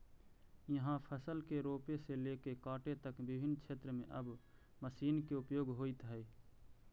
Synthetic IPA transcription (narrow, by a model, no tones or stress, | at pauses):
jəɦãpʰəsəlkeɾoːpeseleːkekaːʈet̪əkbɪbʱɪnːkʃʰeːt̪ɾəmḛ̃ʔɐb | məsiːnkeʊpjoːɡɦoːit̪ɦɛi